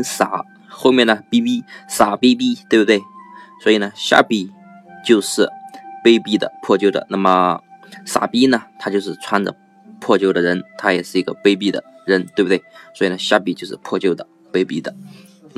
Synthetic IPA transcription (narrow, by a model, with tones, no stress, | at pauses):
sa̰˨˩˦ | xo˥˧ʊmjɛ˥˩nə˩pi˥pi˥sa˨˩pe˥ɪp̬i˥t̪we˥˧˩bt̪we˥˩ɪswɔ˧˥i˨˩nə˦ɕja̰˥˩pi˨˩ | t͡ɕjo˥˧ʊʂɻ̩˥˩pe˥ɪpi˥˩d̪ə̰˨pʰwɔ˥˧t͡ɕjo˥˩ʊd̪ə̰˨˩na˥˩mə˩sa̰˨˩pi˥nə˨t̪ʰa˥t͡ɕjo˥˧ʊʂɻ̩˥˧t͡sʰwa˥nʈ͡ʂə̰˨ | pʰwɔ˥˧t͡ɕjo˥˩ʊd̪ə˩ɻə˧˥nt̪ʰa˥jɛ˨˩ʂɻ̩˥˩i˧˥ɡə˧pe˥ɪp̬i˥˩d̪ə̰˩ɻə˧˥nt̪we˥˧˩btwe˥˩ɪswɔ˧˥i˨˩nə˧˦ɕja̰˥˩pi˨˩t͡ɕjo˥˧ʊʂɻ̩˥˧pʰwɔ˥˧t͡ɕjo˥˩ʊd̪ə˩ | pe˥ɪpi˥˩d̪ə˨